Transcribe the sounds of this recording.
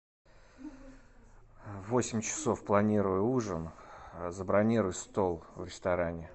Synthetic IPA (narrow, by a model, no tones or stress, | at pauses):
vo̞sʲɪmʲt͡ɕɪ̥so̞fplˠɐnʲiɾʊjʊuʐənzəbɾɐnʲiɾʊjst̪o̞lˠvɾʲɪst̪ɐɾanʲɪ